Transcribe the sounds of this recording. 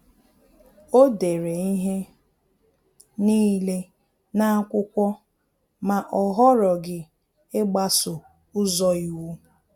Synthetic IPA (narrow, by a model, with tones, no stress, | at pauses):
o˦de˨ɾe˨i˦ɦe˦ | niː˦le˦ | na˦a˦kʷʊ˦kʷɔ˦ | ma˨ʔɔ˨ɦɔ˦ɾɔ˨ɡɪ˦ | ɪ˦ɡ͡ba˦sʊ˨ | ʊ˦zɔ˦i˨wu˦